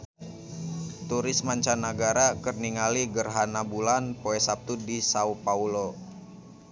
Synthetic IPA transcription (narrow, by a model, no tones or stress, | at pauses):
t̪uɾɪsmaɲt͡ʃanaɡaɾakərniŋaliɡərɦanabulanpoɛsap̚t̪udisaupaulo